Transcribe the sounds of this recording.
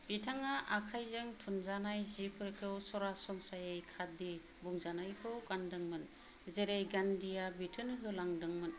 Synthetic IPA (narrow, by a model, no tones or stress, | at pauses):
b̥itʰaŋaʔakʰajzɯŋtʰunzanajzipʰɯɾkʰɯwsɔɾasɔnsajejkʰadi | buŋzanajkʰɯwkandɯŋmɯn | zeɾejɡandijabitʰɯnɦɯlaŋdɯŋmɯn